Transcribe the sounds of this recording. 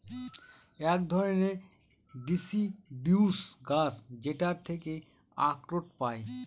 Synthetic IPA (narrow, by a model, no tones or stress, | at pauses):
ɛkd̪ʱɔɾone | ɖisibuusɡasd͡ʑeʈaɾt̪ʰeke | a̰kɾoʈ̚pae